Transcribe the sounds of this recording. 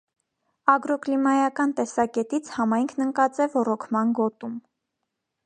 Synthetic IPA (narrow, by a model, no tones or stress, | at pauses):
ɑɡɾɔklimɑjɑkɑnt̪ɛsɑkɛt̪it͡sʰhɑmɑjŋkʰnəŋkɑt͡sɛvɔɾɔkʰmɑnɡɔt̪um